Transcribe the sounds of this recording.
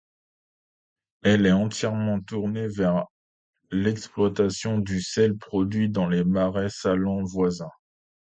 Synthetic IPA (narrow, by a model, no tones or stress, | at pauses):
ɛlɛɑ̃t̪jɛʁmɑ̃t̪uʁnevɛʁ | lɛksplwat̪asjɔ̃d̪ysɛlpχɔd̪ɥid̪ɑ̃lemaʁɛsalɔ̃vwazɛ̃